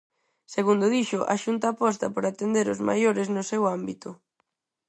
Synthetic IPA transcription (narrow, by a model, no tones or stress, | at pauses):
seɣund̪ʊðiʃʊʔa̰ʃunt̪aːpɔst̪ɐpoɾat̪end̪eɾʊzma̰joɾeznʊsewambit̪ʊ